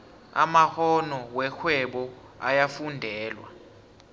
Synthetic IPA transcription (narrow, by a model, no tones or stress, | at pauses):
a̰mahɔnɔwɛxʰwɛɓɔ | ajafundʱɛːlwa̰